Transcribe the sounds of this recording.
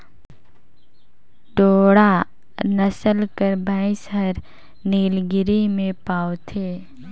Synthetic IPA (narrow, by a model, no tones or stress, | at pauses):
ʈoːɽa | nəsəlkəɾbʱə̃ːɪ̃sɦəɾ | niːlɡɪɾimẽpaːot̪ʰeː